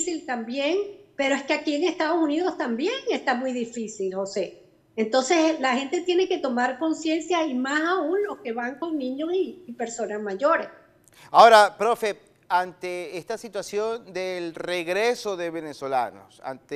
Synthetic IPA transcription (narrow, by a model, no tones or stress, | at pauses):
silt̪ambje̞ŋpe̞ɾo̞e̞skeakieŋe̞st̪að̞o̞suniðo̞st̪ambje̞ŋe̞st̪amujðifisilho̞se̞ | ent̪o̞nse̞slaxe̞nt̪e̞t̪je̞ne̞ke̞t̪o̞maɾko̞nsje̞nsjaimasaunlo̞ske̞βaŋko̞ŋnĩɲo̞siːpe̞ɾso̞nasmaʝo̞ɾe̞s | aoɾapɾofe | ant̪eest̪asit̪wasjo̞nd̪elreɣɾesoðeβeneso̞la̰no̰sa̰nt̪e